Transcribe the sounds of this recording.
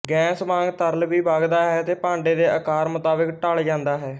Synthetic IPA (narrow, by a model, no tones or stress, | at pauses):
ɡɛ̃ːsmãːŋɡt̪əɾlʋiːbaːɡd̪aːɦɛːt̪eːpãːɳɖeːd̪eːəkaːɾmʊt̪aːbəkʈəld͡ʒãːnd̪aːɦɛː